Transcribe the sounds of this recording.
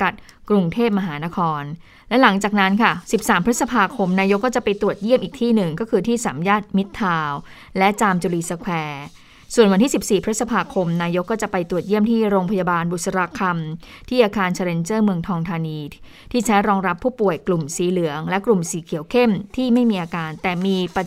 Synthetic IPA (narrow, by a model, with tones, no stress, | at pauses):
ka˨˩t̪̚ | kɾu˧ŋt̪ʰeː˥˩p̬̚ma˧ɦaː˩˦na˦˥kʰɔː˧n | lɛ˦˥la˩˦ŋt͡ɕaː˨˩k̚na˦˥nkʰa˥˩si˨˩p̚saː˨˩˦mpʰɾt̪sa˧pʰaː˧kʰo˧mnaː˧jo˦˥kːɔː˥˩t͡ɕa˨˩pa˧jt̪ɾu˨˩ət̪̚ji˥˩əmʔiː˨˩k̚t̪ʰiː˥˩nɯ˨˩ŋkɔː˥˩kʰɯː˧t̪ʰiː˥˩saː˩˦mjaː˥˩t̪̚mi˦˥t̪ʰːaː˧w | lɛ˦˥t͡ɕaː˧mt͡ɕu˧liː˧˩sa˧kʰwɛː˧ | su˨˩ənwa˧nt̪ʰiː˥˩si˨˩p̚siː˨˩pʰɾ̚sa˧pʰaː˧kʰo˧mnaː˧jo˦˥kːɔː˥˩t͡ɕa˨˩pa˧jt̪ɾu˨˩ət̪̚ji˥˩əmt̪ʰiː˥˩ɾoː˧ŋpʰa˧jaː˧baː˧nbu˨˩t̪̚sa˧ɾa˧kʰa˧mt̪ʰiː˥˩ʔaː˧kaː˧nt͡ɕʰaː˧ɾe˧nt͡ɕɤː˥˩mɯ˧əŋt̪ʰɔː˧ŋt̪ʰaː˧niː˧ | t̪ʰiː˥˩t͡ɕʰa˦˥jɾɔː˧ŋɾa˦˥pʰːuː˥˩pu˨˩əjklu˨˩msiː˨˦lɯ˩˦əŋlɛ˦˥klu˨˩msiː˩˦kʰi˨˩˦wkʰe˥˩mt̪ʰiː˥˩ma˥˩jmiː˧ʔaː˧kaː˧nt̪ɛː˨˩miː˧pa˧